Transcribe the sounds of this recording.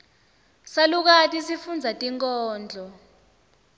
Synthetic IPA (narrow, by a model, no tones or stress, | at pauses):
saluk̬atʼisifund͡zʱatʼiŋkʼɔːnd͡ɮʱɔ